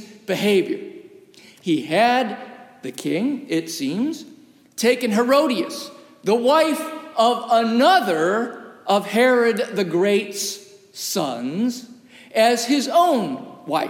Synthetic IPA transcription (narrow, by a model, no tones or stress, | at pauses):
b̥ɨɦeɪvjə̰˞ | iɨd̪̚ðɨkʰɪ̃ŋɪtsĩmz̥ | tʰeɪkɨ̃nɦə˞oʊɾiɨs | ðəwaɪfʌvənʌðə˞ʔʌv̥hɛɹɨd̪̚ðɨɡɹeɪts | ʌ̰̃nz | ɨz̥ɪzõʊ̃nwaɪ